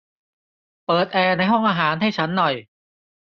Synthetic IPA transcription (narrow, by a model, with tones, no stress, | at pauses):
pɤː˨˩t̪̚ʔɛː˧na˧jɦɔ˥˩ŋʔaː˧ɦaː˩˦nɦa˥˩jt͡ɕʰa˦˥nːɔ˨˩j